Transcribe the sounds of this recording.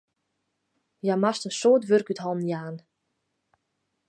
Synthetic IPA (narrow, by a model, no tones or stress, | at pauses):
jamastənsoːtʋørkythɔlˠmnjaːn